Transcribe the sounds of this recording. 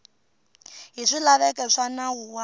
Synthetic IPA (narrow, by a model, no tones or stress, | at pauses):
ɦiʂilaβɛkɛʂanawuwa